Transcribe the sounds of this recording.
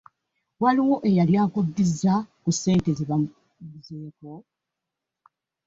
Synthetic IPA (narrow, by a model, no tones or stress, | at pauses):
waliwo̞ʔe̞jaljaːkudːizakusːe̞ːnte̞zeβa | zeːko